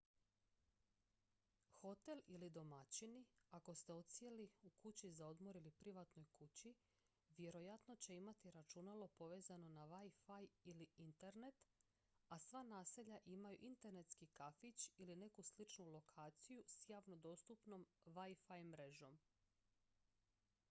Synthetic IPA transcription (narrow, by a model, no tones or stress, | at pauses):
xo̞t̪e̞lilid̪o̞mat͡ɕiniako̞st̪e̞o̞t̪sijeliukut͡ɕizao̞d̪mo̞ɾilipɾiʋat̪no̞jkut͡ɕi | ʋje̞ɾo̞jat̪no̞t͡ɕe̞imat̪iɾat͡ʃunalo̞po̞ʋe̞ːzano̞naʋajfajiliint̪e̞ɾne̞t̪ | asʋaːnaːse̞ʎaʔimajṵʔint̪e̞ɾne̞t̪skikafit͡ɕiline̞kuslit͡ʃnulo̞kʰaːt̪sijusjaːʋno̞d̪o̞ːst̪upno̞mʋajfajmɾe̞ʒo̞m